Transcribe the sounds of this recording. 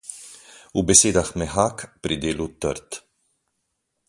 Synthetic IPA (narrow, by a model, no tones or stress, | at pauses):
ubeseːd̪ɐxmɛħaːkpɾid̪eːlut̪ːɐ̰ɾt̪